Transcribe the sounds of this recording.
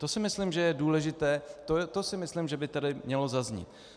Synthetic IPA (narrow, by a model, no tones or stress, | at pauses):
t̪o̞sɪmɪslimʒɛjɛduːlɛʒɪt̪ɛːt̪ot̪o̞sɪmɪslimʒɛbɪt̪adɪmɲɛlo̞zazɲɪ̰t̪̚